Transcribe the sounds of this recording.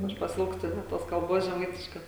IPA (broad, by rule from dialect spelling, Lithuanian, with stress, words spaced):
ˈɐʃ pɐˈsʲɪlˠkstʊ nʲɛt ˈtoːs kɐlˠˈboːs ʒʲɛˈmɐɪtʲɪʃkoːs